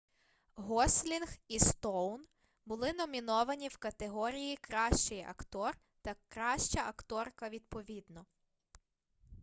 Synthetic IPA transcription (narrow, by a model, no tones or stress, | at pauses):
ɦɔsʲlʲinxist̪ɔwn | bʊlˠɪnɔmʲinɔʋɐnʲiwkɐt̪eɦɔɾʲijikɾɑʃt͡ʃɪjɐ̰kt̪ɔr | t̪ɐkɾɑʃt͡ʃɐʔɐkt̪ɔrkɐʋʲid̪̚pɔʋʲid̪nɔ